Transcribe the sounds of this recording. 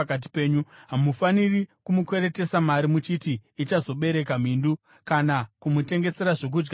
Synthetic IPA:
kat̬i̥pe̞ːɲuɦamufanirikumukwe̞ɾe̞te̞samaɾimut͡ʃitiːt͡ʃazo̞ɓe̞ɾe̞kam̤iːndu | kanakumute̞ŋɡe̞se̞ɾaʐo̞k̬ud͡ʒɡ

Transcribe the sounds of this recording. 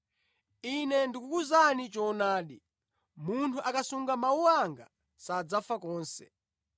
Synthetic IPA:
inɛndikukuzanit͡ʃɔnaːɗi | muntʰuʔakasuŋɡamauwaŋɡa̰ | sad͡zafakɔːnsɛ̰̥

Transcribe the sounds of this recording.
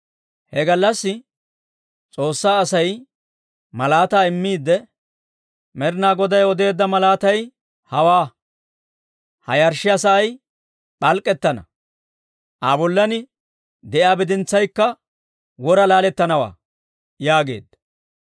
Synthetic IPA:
hɛɡɐlːɐsːɪ | t͡sʼo̞ːsːaːsɐj | mɐlaːt̪aːɪmːiːd̪ːɛ | mɛɾnaːɡɔd̪ɐjɔd̪e̞ːd̪ːɐmɐlaːt̪ɐj | hɐwaː | hɐ̰jɐɾʃɪɐsɐːj | ɓɐlkʼːɛt̪ːɐnɐ̰ | ʔabɔlːɐnɪ | d̪ɛʔjaːbɪd̪ɪnt͡sːɐjkːɐ | wɔɾɐlaːlɛt̪ːɐnɐwa̰ː | jaːɡe̞̰ːd̪ːɐ

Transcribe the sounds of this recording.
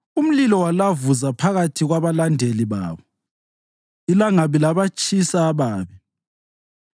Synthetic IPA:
um̩lilɔwalavuzapʰaɣatʰiɣwaβalandʱeliβa̰ːβɔ | ilaŋaβilaβat͡ʃʼisaːβaːβɛ

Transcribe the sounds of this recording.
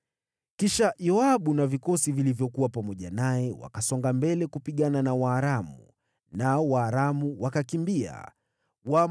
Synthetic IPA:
kiʃajɔaɓunavikɔsivilivjɔkuwapamɔʄanaɛwa̰kasɔŋɡambɛlɛkupiɠananawaːɾamṵ | nawaːɾamuwakakimbia̰ | wa

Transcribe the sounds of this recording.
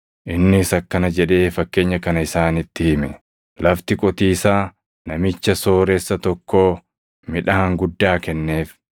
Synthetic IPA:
ʔɪnːɪsɐkːɐnɐd͡ʒɛᶑe̞ːfɐkːe̞ːɲːɐkɐnɐɪsaːnɪt̪ːɪhɪmɛ | lɐft̪ɪkʼɔt̪iːsaː | nɐmɪt͡ʃːɐso̞ːɾɛsːɐt̪ɔkːoː | mɪᶑɐhɐŋɡʊd̪ːaːkɛnːe̞ːf

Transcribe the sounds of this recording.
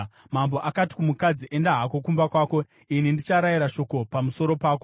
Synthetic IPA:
mamboʔakati̥kumukad͡ziʔe̞ndaɦako̞kumbakwaːko̞ | inindit͡ʃaɾajiɾaʃo̞ko̞pamuso̞ɾo̞paːko

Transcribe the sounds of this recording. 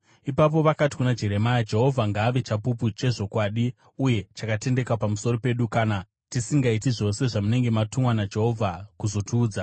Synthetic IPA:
ipap̬o̞ʋakati̥kunad͡ʒe̞ɾe̞majad͡ʒe̞ɦo̞vʱaŋɡaːʋet͡ʃapuput͡ʃe̞ʐo̞kwaːɗi | uje̞t͡ʃakate̞nde̞kwapamuso̞ro̞pe̞ɗukana | tisiŋɡait̬iʐo̞se̞ʐamune̞ŋɡe̞matumwanad͡ʒe̞ɦo̞vʱakuzo̞tʰuːd͡za

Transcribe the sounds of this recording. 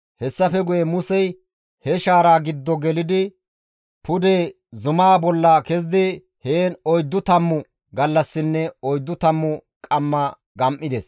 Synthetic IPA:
hɛsːɐfɛɡʊjɛmʊsɛj | hɛʃaːɾaːɡɪd̪ːɔɡɛlɪd̪ɪ | pʊd̪eː | zʊmaːbɔlːɐkɛz̬d̪ɪ | heːnɔjd̪ːʊt̪ɐmːʊ | ɡɐlːɐsːɪnːɛɔjd̪ːʊt̪ɐmːʊ | kʼɐmːɐ | ɡɐmʔːɪd̪ɛs

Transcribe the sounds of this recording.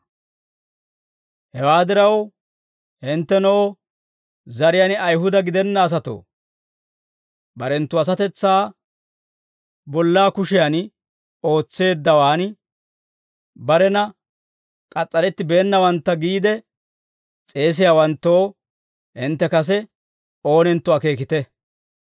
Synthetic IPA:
hɛwaːd̪ɪɾɐw | hɪnt̪ːɛnoː | zɐɾɪjanɐjɦʊd̪ɐɡɪd̪ɛnːɐːs̬ɐt̪o̰ː | bɐɾɛnt̪ːʊɐs̬ɐt̪ɛt͡sːaː | bɔlːaːkʊʃɪjan | o̞ːt͡sːe̞ːd̪ːɐwaːn | bɐɾɛnɐ | kʼɐt͡sʼːɐlɛt̪ːɪbe̞ːnːɐwɐnt̪ːɐɡiːd̪ɛ | t͡sʼe̞ːs̬ɪjawɐnt̪ːoː | hɪnt̪ːɛkɐs̬ɛ | o̞ːnɛnt̪ːʊaːke̞ːkɪt̪ɛ

